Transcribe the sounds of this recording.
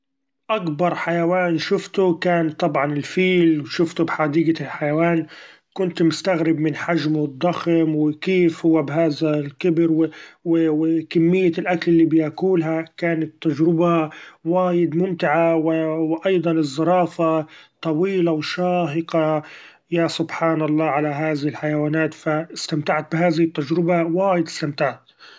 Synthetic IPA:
ʔakbɑɾˤħajawaːnʃʊft̪ʊkaːnt̪ˤːɑbʕɑnɪlfiːlwʃʊft̪ʊbħad̪iːɡalħajawaːn | kʊnt̪mʊst̪aɣɾɪbmɪnħaʒmʊd̪ˤːɑxmwɪkeːfhʊwːabɦaːðalkɪbɪɾwɪwɪwɪkamːɪjːalʔakalʔɪlːibjakuːlɦakaːnat̪ːad͡ʒɾɪbawaːjɪd̪mʊmt̪ɪʕawɪwʔɑjd̪ˤɑnɪzˤːɑɾˤɑːfat̪ˤɑwiːlawʃaːɦɪqɑ | jasʊbħaːnɑlˤːɑːʕalaɦaːðɪhɪlħajawaːnaːt̪faɪst̪amt̪aʕt̪̚bɪɦaːðɪhɪt̪ːad͡ʒɾɪbawaːjɪd̪ɪ̥st̪amt̪aʕt̪

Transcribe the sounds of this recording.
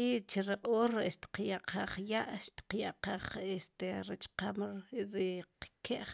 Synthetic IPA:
it͡ʃiɾaʔʼoːɾeʔʃt̪i̥qjaʔqʰaχjaʔʃt̪i̥qjaʔqaːχʔest̪eɾat͡ʃqamɾiqkʰeʔ

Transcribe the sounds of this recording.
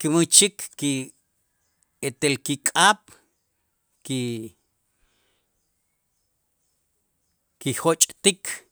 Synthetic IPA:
kimut͡ʃikːi | et̪elkikʼaːɓ̥ | ki | kihot͡ʃʼt̪ikʰ

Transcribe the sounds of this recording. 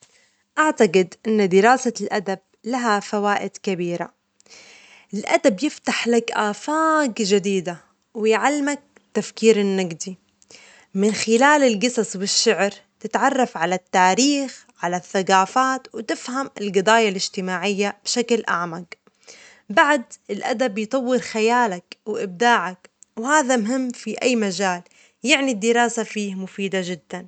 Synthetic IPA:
ʔaʕt̪aqɪd̪ʔɪnːd̪ɪɾɑːsalʔad̪ab̚ | laɦafawaːʔɪd̪̥kabiːɾa̰ | ʔɪlʔad̪abjɪft̪aħlakʔaːfaːɡʒad̪iːd̪a | wɪjʕalːmak̚ | t̪ːafkiːɾɪnːaɡd̪i | mɪnxɪlaːlɪlɡɨsˤɑsˤwɪʃːɪʕɾt̪ɪt̪ʕɑrˤːɑfʕalat̪ːaːɾiːxʕalaθːaɡaːfaːt̪wɪt̪ɪfhamɪlɡɨd̪ˤɑːjalɪʒ̥t̪ɪmaːʕɪjːab̥ʃaklʔa̰ʕmaɡ | baʕd̪ɪlʔad̪abjt̪ˤɑwːɪɾxajaːlakwʔɪb̚d̪aːʕakwhaːðamɦɪmːfiʔajːmad͡ʒaːl | jɪʕnid̪ːɪɾˤaːsafiːhmʊfiːd̪aʒɪd̪ːan

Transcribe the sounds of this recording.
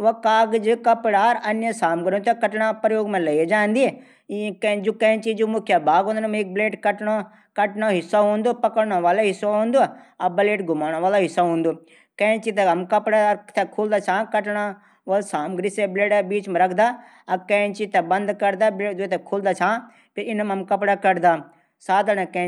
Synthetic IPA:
ʋokaːɡd͡ʒikɐpɽaːɾɐnjəsaːmɡɾ̃t̪ʰɛkɐʈɽ̃ãːpɾəjoːɡmɛ̃lɐid͡ʒãːnd̪iɛ | kd͡ʒokɐ̃t͡ʃid͡ʒumʊkʰjabʱaːɡɦõːnd̪nmek̚bleːʈkɐʈɳo | kɐʈnoɦɪsaɦũːnd̪opɐkəɽɳ̃oʋaːleɦɪsoɦõːnd̪oɐbɐleːʈɡʱʊmaːɽ̃õʋaːlaɦɪsaɦũːnd̪oː | kɐ̃ĩt͡ʃit̪ɛɦɐmkɐpɽat̪ʰɛkʰuːld̪aːt͡ʃʰãːkɐʈɽa | ʋɐlsaːmɡɾisebleːɖbiːt͡ʃmɛ̃ɾɐkʰd̪aː | ɐkɐ̃t͡ʃit̪ʰɛbɐ̃nd̪kɐɾd̪ableːd͡ʒot̪ʰɛkʰoːld̪aːt͡ʃʰãː | pʰɪɾɪnəmɐmkɐpɽakɐɾd̪aː | saːd̪ɽɛ̃kɛ̃

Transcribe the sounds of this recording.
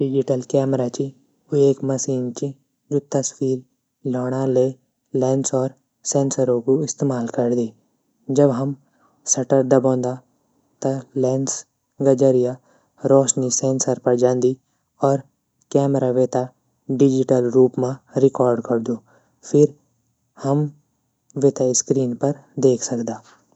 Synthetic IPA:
ɖɪd͡ʒɪʈəlkɛːmɾat͡ʃi | ʊeːkmɐsiːnt͡ʃi | d͡ʒoːt̪əswiːɾ | lɔːɽ̃ale | lɛːnsɔːɾ | sɛ̃ːnsəɾõkoɪst̪eːmaːlkɐɾd̪iː | d͡ʒɐbɦɐm | sɐʈəɾd̪ɐbõːnd̪a | t̪ɐlɛːns | ɡəd͡ʒəɾija | ɾɔːʃnisɛ̃ːnsəɾpɐɾd͡ʒãːnd̪i | ɔːɾ | kɛːmɾaʋeːt̪a | ɖɪd͡ʒɪʈəlɾuːpmãɾɪkɔːɾɖkɐɾd̪oː | pʰɪɾ | hɐm | ʋet̪aɪskɾiːnpɐɾ | d̪eːkʰsɐkd̪aː

